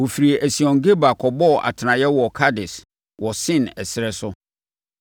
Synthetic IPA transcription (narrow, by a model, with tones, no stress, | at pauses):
wo˨fi˨ɾi˨e˨ʔæ˨si˨ɔ̃˨ŋ˨ɡe˦ba˨kʰɔ˨bɔ˦˨ʔa̰˨tʰɪ˨nã˨jɛ˦wɔ˨kʰa˦dɪ˨s | wɔ˨sɪ̃˦˨nɛ˨sɪ˨ɾɛ˦sʊ˦